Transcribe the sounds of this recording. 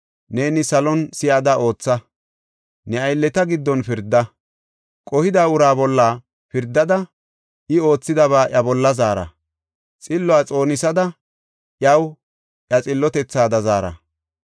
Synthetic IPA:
neːnɪsɐlɔnsɪjad̪ɐʔo̞ːt͡sːɐ | nɛɐjlːɛt̪ɐɡɪd̪ːɔnfɪɾd̪ːɐ | kʼɔhɪd̪aːʊɾaːbɔlːaː | fɪɾd̪ːɐd̪ɐ | ʔɪo̞ːt͡sːɪd̪ɐβaːʔɐbɔlːɐzaːɾɐ̰ | t͡sʼɪlːɔaːt͡sʼo̞ːnɪsɐd̪ɐ | ʔjɐw | ʔjɐt͡sʼɪlːɔt̪ɛt͡sːaːd̪ɐzaːɾɐ̰

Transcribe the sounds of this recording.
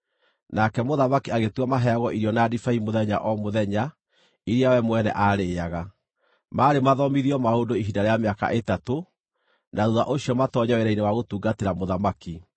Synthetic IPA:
nakɛmoðamakiaɣetwamaɦɛaɣɔʔiɾiɔnadifaimoðɛɲa̰ʔɔmoðɛɲa | iɾeawɛmwɛnɛ̰ʔaɾeːaɣa | maːɾemaðɔmiðiɔmaodoiɦindaɾeameaka̰ʔetato | naðuðaʔoɕiɔmatɔɲaweɾainewaɣotuːɡateɾamoðamaki

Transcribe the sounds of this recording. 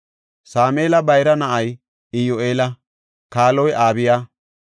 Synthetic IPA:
saːmeːlɐbɐjɾɐnɐʔɐj | ɪjoeːlɐ | kaːlɔjaːbɪjaː

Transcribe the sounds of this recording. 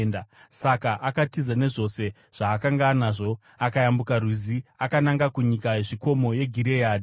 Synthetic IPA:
ndasakaʔakatizane̞ʐo̞se̞ | ʐ̥aːkaŋɡanaʐo̞ | akajambukarwiziakanaŋɡakuɲikajeʐiko̞mo̞je̞ɡʱiɾe̞jaːdi

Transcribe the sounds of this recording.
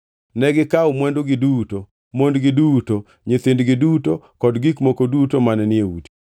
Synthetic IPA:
nɛɡɪkaʊmwɛndoɡɪduto | mondɡɪduto | ɲet̪endɡɪduto | kɔdɡikmokodutomanɛnɪeṵti̥

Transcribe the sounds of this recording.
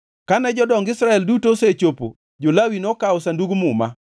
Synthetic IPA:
kanɛd͡ʒɔdɔŋɡɪsɾaɛldutoset͡ʃopo̰ | d͡ʒolawinɔkaɔsanduɡmʊma̰

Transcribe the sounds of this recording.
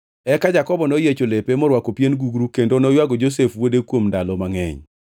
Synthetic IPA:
ɛkad͡ʒakɔbɔnojet͡ʃolepemɔɾwakopjenɡuɡɾukendonɔjwaɡod͡ʒos̬efwodekwomndalɔmaŋɛ̰ɲ

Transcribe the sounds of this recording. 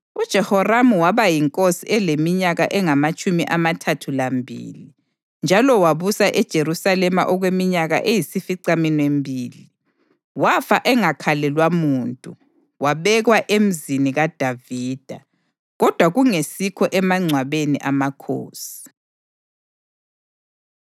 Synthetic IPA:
ud̥ʒ̥ʱɛhɔramuwaβajiŋkʼosiɛlemiɲaɣaʔɛŋamat͡ʃʼumiʔamatʰatʰulambʱḭːli | nd͡ʒʱalɔwaβusaʔɛd̥ʒ̥ʱeɾusalɛma̰ʔɔɣwemiɲaɣa̰ʔejisifiǀaminwembʱiːli | wafaʔɛŋakʰalɛlwamuːntʼu | waβɛɣwaʔem̩ziniɣad̥ʱaviːd̥ʱa | ɣɔd̥ʱwaɣuŋesikʰɔʔɛmaŋ͡ǀʱwaβenḭʔamakʰo̰ːsi̥

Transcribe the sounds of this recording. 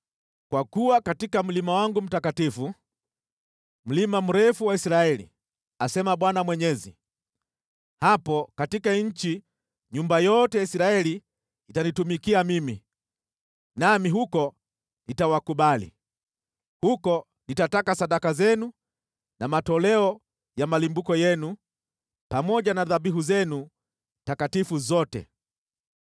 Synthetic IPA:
kwakuwakatikam̩limawaŋɡum̩takatifu | m̩limam̩ɾɛfuwaisɾaɛlḭ | asɛmaɓwanamwɛɲɛzi | hapɔkatikaɲ̩t͡ʃi | ɲumbajɔtɛjaisiɾaɛli | itanitumikiamimi | namiɦukɔ | nitawakuɓalḭ | hukɔ | nitatakasaɗakazɛnu | namatɔlɛɔ | jamalimbukɔjɛnu | pamɔʄanaðaɓiɦuzɛnu | takatifuzɔtɛ̰

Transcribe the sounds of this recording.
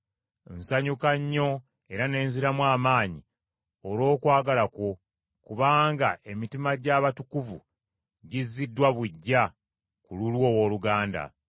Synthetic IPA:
nsaɲukaɲːo̞ | e̞ɾane̞ːnziɾamwaːmaːɲi | oɾo̞ːkwaːɡalako̞ | kuβaːŋɡaʔe̞mitimaɟaβatukuvu | ɟizːidːwaβwiɟːa | kululwo̞ːwoːluɡaːnda̰

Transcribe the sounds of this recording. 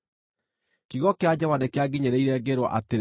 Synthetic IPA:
kiɣɔkead͡ʑɛwanekeaɡiɲeɾeiɾɛɡeɾwɔʔate

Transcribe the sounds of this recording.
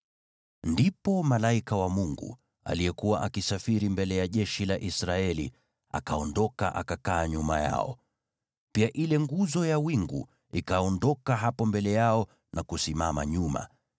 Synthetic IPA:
ndipɔmalaikawamuŋɡṵ | a̰lijɛkuwaʔakisafiɾimbɛlɛjaʄɛʃilaʔisɾaɛlḭ | a̰kaɔndɔka̰ʔakakaːɲuma̰ja̰ɔ̰ | piaʔilɛŋɡuzɔjawiŋɡṵ | ikaɔndɔkaɦapɔmbɛlɛjaɔ | nʔakusimama̰ɲuma̰

